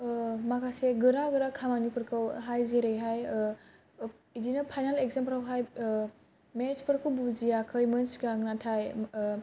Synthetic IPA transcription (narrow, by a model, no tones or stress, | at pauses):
makʰaseɡɯɾaɡɯɾakʰamanipɯɾkʰɯwɦajzeɾejɦaj | idinɐpʰajnalekzempɾawɦaj | met͡ʃpɯɾkʰɯwbuzijakʰɯjmɯnsɡaŋnatʰaj